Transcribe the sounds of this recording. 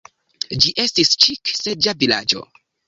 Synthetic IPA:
d͡ʒiʔe̞stist͡ʃiksed͡ʒavila̰d͡ʒo̞̰

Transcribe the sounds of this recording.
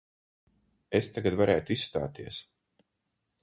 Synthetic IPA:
est̪aɡad̪vaɾɛːjt̪uisːt̪a̰ːt̪iɛs

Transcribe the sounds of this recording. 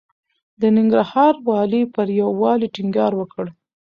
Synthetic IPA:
d̪ənɪŋɡɾahɑɾwɑlipəɾjawːɑliʈɪŋɡɑɾwəkəɽ

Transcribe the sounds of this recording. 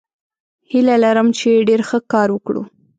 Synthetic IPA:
hilalaɾəmt͡ʃeɖeɾxəkɑɾwəkɽṵ

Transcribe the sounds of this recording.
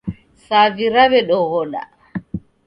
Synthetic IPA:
saviɾaβɛɗɔɣɔɗa̰

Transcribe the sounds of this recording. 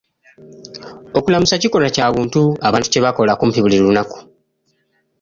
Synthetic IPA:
o̞kulamusaciko̞lacaːβuːntuaβaːntu̥ce̞βako̞lakumpiβuliɾlunaku̥

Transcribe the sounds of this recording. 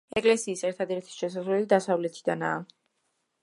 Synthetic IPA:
ɛkʼlɛsiːsɛɾt̪ʰad̪ɛɾt̪ʰi̥ʃɛs̬asvlɛlid̪asavlɛt̪ʰid̪ana̰ː

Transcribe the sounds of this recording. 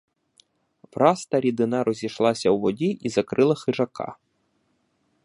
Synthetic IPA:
vɾɑst̪ɐɾʲid̪ɪnɑɾɔzʲiʃlˠɑsʲɐwʋɔdʲiʔizɐkɾɪlˠɐxɪʒɐkɑ̰

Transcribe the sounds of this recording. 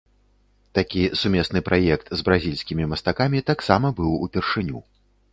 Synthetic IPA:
t̪akʲisumʲɛsnɨpɾʔajɛk̚t̪zbɾazʲilʲsʲkʲimʲimɐst̪akamʲit̪aksamɐbɨwṵpʲɛrʂɨnʲṵ

